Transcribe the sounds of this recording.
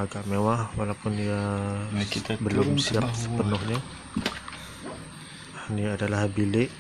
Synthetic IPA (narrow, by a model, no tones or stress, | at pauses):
aɡaʔmewahwalapʊnija | bəlʊmsiap̚səpənʊhɲa | aniadalahbilɪʔ